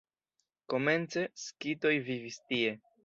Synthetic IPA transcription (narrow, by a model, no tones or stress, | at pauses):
ko̞me̞nt͡se̞skito̞jvivistie̞